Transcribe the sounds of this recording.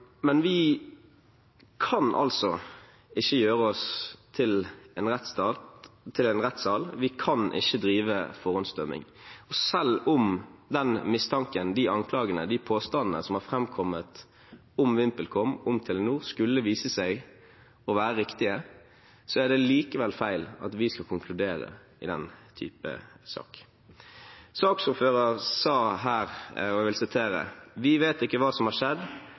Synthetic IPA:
mɛnʋɪ | kʰɑnʔɑ̰lsɔ | ɪçːəjøːɾəɔst̪ʰɪlɛnʁɛt̪st̪ɑt̪ʰːɪlɛnʁɛt̪ːsɑːlʋɪkʰɑnʔɪ̰çːəd̪ɾiːʋəfɔʁʉnst̪œmɪ̰ŋɔsɛlʊmd̪ɛnmɪst̪ʰɑŋkənd̪ɪʔɑŋkʰlɑːɡənə̰d̪ɪpʰoːst̪ɑnnə̰sɔmhɑʁfɾɛmkʰɔmːət̪ | ʊmʋɪmpəlkʰɔmːʊmt̪ʰɛlənuːʁskʉlːəʋiːsəsæɪ | ɔʋæːɾəɾɪkt̪ɪə | sɔæɖɛliːkəʋɛlfæɪlɑ̰t̪ʋɪskɑkʊŋkʰlʉd̪eːɾə̰ | ɪ̰d̪ɛ̰nt̪ʰy̰ːpə̰sɑ̰ːk | sɑːksʊføːɾɑɾsɑːɦæːɾɔɛʋɪlsɪt̪ʰeːɾə̰ʋɪʋeːt̪ɪkːəʋɑːsɔmhɑʂɛd̪

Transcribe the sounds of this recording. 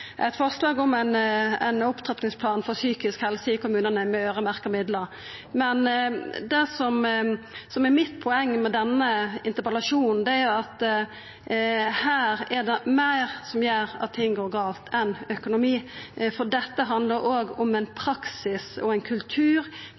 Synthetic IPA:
ʔæɪt̪fɔʁslɑːɡɔmænɛ̰nʊpt̪ʰʁɛt̪nɪŋspʰlɑːnfɔɾsyːkɪskhɛlsəɪkʊmʉːnənəmɛøːʁəmæɾkəmɪd̪ləɾ | mɛnd̪ɛsɔm | sɔmɛɾmɪt̪ːpʰɔɛŋːmɛd̪ɛnːəɪnt̪əpɛlɑʂuːnn̩d̪ɛæɾʊɑt̪ | hæːɾɛd̪ɛmæɪɾsɔmjæːɾɑ̰t̪ʰːɪŋːɡoːɾɡɑːlt̪ʰɛnœkʊnʊmiːfɔɖ̪ɛt̪ːəɦɑnd̪ləɾoːɡɔmɛɪnpʰɾɑksɪsɔɛɪnkʰʉlt̪ʰʉːɾ

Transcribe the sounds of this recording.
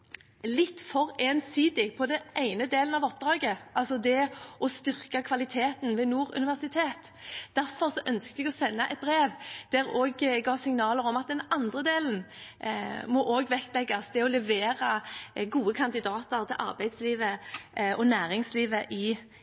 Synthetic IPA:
lɪt̪ːfɔʁeːnsiːd̪ɪpʰɔd̪ɛæɪnəd̪eːln̩ɑʋɔp̚d̪ʁɑːɡəʔɑlsɔd̪ɛɔst̪ʏʁkɑkʰʋɑlɪt̪ʰeːt̪n̩ʋɛːnuːʁʉ̰nɪʋæʁsɪt̪ʰeːt̪ | d̪̥æɾfɔʁsɔʔœnskt̪əɛɡɔsɛnːəʔɛ̰t̪̚bʁeːʋd̪̥æʁoːɡɡɑːsɪŋnɑːləɾɔmɑt̪̚d̪ɛnɑnd̪ʁəd̪eːlən̩ | mɔʔoːɡʋɛkt̪lɛɡːɑsd̪ɛɔlɛʋeːʁɑɡuːəkʰɑnd̪ɪd̪ɑːt̪əʁt̪ʰɪlʔɑ̰ʁbæɪd̪sliːʋəʔɔnæːʁɪŋsliːʋəʔɪ

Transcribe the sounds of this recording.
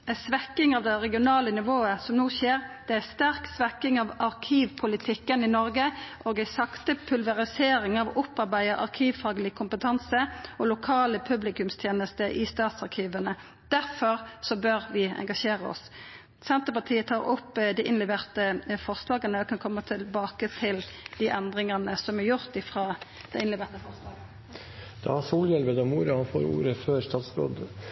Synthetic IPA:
æsʋɛkːɪŋɑʋd̪ɛʁɛɡɪʊnɑːlənɪʋoːəsɔmnoːçeːɾd̪̥ɛæst̪æɾksʋɛkɪŋɑʋɑʁkʰiːʋpʰʊlɪt̪ʰɪkːənɪnɔɾɡəʔoːɡæɪsɑkt̪əpʰʉlʋɛʁɪseːɾɪŋɑʋʊpɑʁbæɪəʔɑ̰ʁkʰiːʋfɑːɡlɪkʰʊmpət̪ʰɑnsəɔlʊkʰɑːləpʰʉblɪkʉmst̪ʰjeːnəst̪əʔɪst̪ɑːt̪sɑʁkʰiːʋənə | d̪̥æɾfɔʁsɔbøɾʋɪɛ̰ŋɡɑʃeːʁəɔ̰s | sɛnt̪əpɑt̪ʰiːət̪ʰɑːʁʊpːd̪iʔɪnlɛʋeːʁt̪əfɔʁslɑːɡənəɔkʰɑnkʰɔmːət̪ʰɪlbɑːkət̪ʰɪld̪̥iʔɛnd̪ʁɪŋənəsɔmæɾjʊʁt̪ɪfʁɑːd̪̥ɛɪnlɛʋeːʁt̪əfɔʁslɑːɡə | d̪̥ɑ̰hɑsuːljɛlʋəd̪ɑmuːɾɑhɑnfo̰ːɾṵːɾəføːɾst̪ɑːt̪sbɾo̰d̪

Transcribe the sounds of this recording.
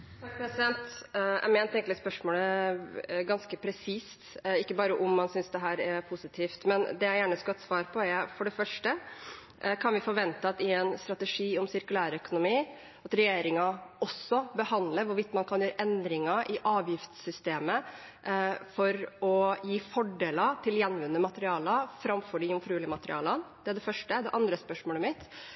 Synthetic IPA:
t̪ʰɑk̚pɾɛsɪd̪ɛnt̪æ̰mɛːnt̪ɛŋklɪspœʂmoːlə | ɡɑnskəpʰɾɛsiːst̪ɪkːəbɑːɾəʔʊmːɑnsʏnsd̪ɛɦæːɾɛpʰʊsɪt̪ʰiːft̪mɛnd̪ɛjæɪjæːɳəskɑɛt̪sʋɑːɾpʰɔɛfɔɖɛfœʂʈə | kʰɑnʋɪfɔɾʋɛnt̪əɑt̪ɪɛnst̪ɾɑt̪ɛʂiːɔmsɪɾkʉlæːɾœkʊnʊmiː | ɑt̪ɾɛjeːɾɪŋɑɔsːɔbəhɑnd̪ləʋʊɾʋɪt̪ːmɑnkʰɑnjøːɾəʔɛnd̪ɾɪŋɑʔɪʔɑːʋjɪft̪sʏst̪eːmə | fɔɾɔjiːfɔɖeːlət̪ʰɪljɛnʋʉnːəmɑt̪əɾɪɑːlɑfɾɑmfɔɖɪʊmfɾʉːlɪəmɑt̪ɾɪ̰ɑːlɑnd̪̥ɛæɖɛfœʂʈəd̪ɛʔɑnd̪ɾəspœʂmoːləmɪt̪

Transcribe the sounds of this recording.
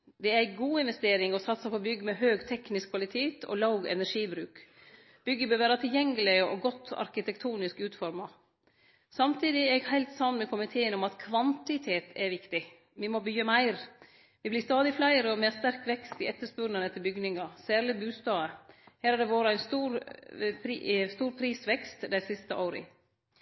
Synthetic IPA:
d̪ɛɛɾæɪɡuːɪnʋɛst̪eːɾɪŋɔsɑt̪ːsɑpʰɔbʏɡːəmɛɦøːɡt̪ʰɛknɪskʰʋɑlɪt̪ʰeːt̪ʰɔ̰lɑʊɡɛ̰næʂiːbɾʉːk | b̥ʏɡːəbøːɾʋæːɾɑt̪ʰɪljɛŋːəlɪəʔɔ̰ɡɔt̪ʰːɑ̰ɾkɪt̪ʰɛkt̪ʰuːnɪskʉːt̪fɔɾmɑ | sɑmt̪ʰiːd̪ɪɛɾɛɡhæɪlt̪sɑnːmɛkʰʊmɪt̪ʰeːənɔmɑt̪kʰʋɑnt̪ɪt̪ʰeːt̪ʰɛɾʋɪkt̪ɪ | ʋɪmobyːəmæɪɾ | ʋɪblɪst̪ɑːd̪ɪflæɪəɾəɔmeːst̪æɾkʋɛkst̪ɪʔɛt̪ːəʂpʉɾnənɛt̪ʰːəbʏɡnɪŋɑsæːɾlɪbʉːst̪ɑːəhæːɾæɖ̪ɛʋoːɾəæɪnst̪uːɾpʰɾst̪uːɾpʰɾiːsʋɛkst̪d̪æɪsɪst̪əʔoːɾə̰

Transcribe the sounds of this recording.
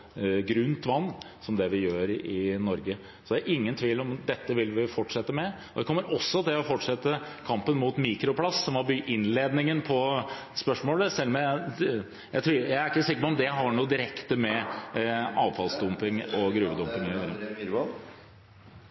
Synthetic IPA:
ɡɾʉnt̪ʋɑnːsɔmd̪ɛʋɪjøːɾɪnɔɾɡə | sɔd̪æɾʔɪŋːənt̪ʰʋiːlɔmd̪ɛt̪ːəʋɪlʋɪfɔʈʂɛt̪ːəmɛ | ɔd̪ɛkʰɔmːəɾɔsːɔt̪ʰɪlɔfɔʈʂɛt̪ːə | kʰɑmpənmuːt̪miːkɾʊpʰlɑsːɔmɑbyʔɪnleːd̪nɪŋənpʰɔ | spœʂmoːləsɛlːɔmjæ | jæɪt̪ʰɾuːjæɪæɾɪkːəsɪkːəpɔɔmd̪ɛɦɑɳuːd̪ɪɾɛkt̪əmɛ | ɑːʋfɑlsd̪ʊmpɪŋɔɡɾʉːʋəd̪ʊmpɪŋ

